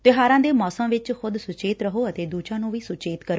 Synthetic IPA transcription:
t̪ɪɦaːɾãːd̪eːmɔːsəmʋɪt͡ʃxʊd̪sʊt͡ʃeːt̪ɾəɦoːət̪eːd̪uːd͡ʒãːnũːʋiːsʊt͡ʃeːt̪kəɾ

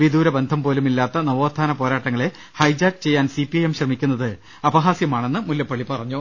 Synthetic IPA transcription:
ʋid̪uːɾɐbe̞nd̪ʱɐmpo̞ːlumilːaːt̪ːɐnɐʋoːt̪ʰːaːnɐpo̞ːɾaːʈːɐŋːɐɭe̞ | hɐjd͡ʑaːɡt͡ɕe̞jːaːnsipiɐjemɕrɐmikʲːunːɐðɨ | ɐbɐɦaːsjɐmaːɳe̞nːɨmuljɐpːɐɭipɐrɐɲːu

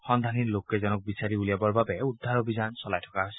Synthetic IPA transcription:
xɔnd̪ʱanilokːɛzɔnɔk̚bisaɾiulijabɔɹbabɛud̪ʱːaɾobʱizansɔlajtʰɔkaɦojsi̥

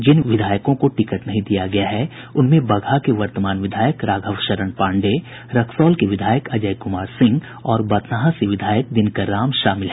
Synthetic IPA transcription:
d͡ʒɪnʋɪd̪ʱaːjəkõkoʈɪkəʈnɐɦĩd̪ijaɡɐjaɦɛ | ʊnmẽbɐɡʱakeʋɐɾt̪əmaːnʋɪd̪ʱaːjəkɾaːɡʱəʋʃɐɾəɳpãːɳɖe | ɾɐkʰsɔːlkeʋɪd̪ʱaːjəkɐd͡ʒəjkʊmaːɾsɪ̃ŋɡ | ɔːɾbɐt̪naɦãseʋɪd̪ʱaːjək̚d̪ɪnkaɾaːmʃaːmɪlɦɛ

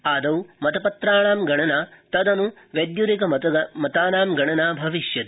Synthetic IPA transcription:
aːd̪ɐwmɐt̪ɐpɐt̪ɾaːɳaːmɡɐɳɐnat̪ɐd̪ɐnu | ʋed̪juɾikɐmɐt̪aːnaːmɡɐɳɐnaːbʱɐʋiʃjɐt̪

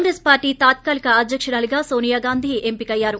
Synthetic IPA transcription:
ŋɡɾespaːɾʈiːt̪aːt̪kaːlikɐɐd̪jɐkʂɐɽaːliɡaːsoːnijaːɡaːnd̪ʱiːempikɐjːaːɾu

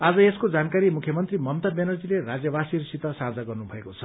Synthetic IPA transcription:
ad͡zʌeskod͡zankaɾimukʰjʌmʌnt̪rimʌmt̪abenʌrd͡zilerad͡zjʌbasirsit̪ʌsard͡zaɡʌrnubʱʌekot͡sʰʌ

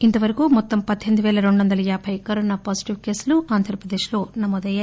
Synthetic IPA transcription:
int̪ɐʋɐɾɐkumɔt̪ːɐmpɐd̪ʱe̞nd̪uʋɛːlɐɾeɳɖuʋɐnd̪ɐlɐjaːbʰɐjkɐɾoːnaːpaːsi̥ʈiʋke̞ːsluaːnd̪ʱɾɐpɾɐd̪eːʂlo̞ːnɐmoːd̪ɐja

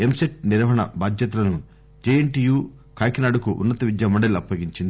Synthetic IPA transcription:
emseʈ̚niɾɐʋɐɳɐ̰baːd̪jɐt̪ɐlɐnu | d͡ʒeːeɳʈiːjuː | kaːjkɐnaːɽukuʔṵnːɐt̪ɐʋid̪jɐmɐɳɖɐluɐpːɐɡiɲt͡ʃind̪i

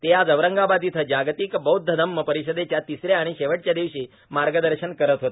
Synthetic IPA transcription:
t̪ead͡zəʋɾəŋɡabad̪it̪ʰəd͡ʑaɡt̪ikbəud̪ʱəd̪əmːəpəɾiɕəd̪et͡ɕjat̪isɾeaɽ̃iɕeʋəʈ̚t͡ɕjad̪iʋɕiː | maɾɡəd̪əɾɕənkəɾət̪ɦot̪e

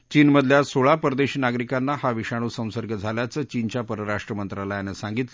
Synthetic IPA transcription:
t͡ɕiːnməd̪ʱljasoɭapəɾd̪eɕinaɡɾikanːahaʋiʂaɽ̃uːsə̃w̃səɾɡəd͡zʱaljat͡səːt͡ɕint͡ɕapəɾəɾaʂʈɾəmənt̪ɾalajanəsãŋɡit̪l

